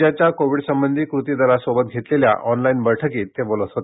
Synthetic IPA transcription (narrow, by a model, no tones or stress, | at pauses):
at͡ɕjakoʋiɽsəmbənd̪ʱiːkɾut̪id̪ʱəɾasobət̪̚ɡʱet̪lelja̰ʔɔnlainbəɭʈʰəkiːt̪ːebolət̪ɦot̪e̥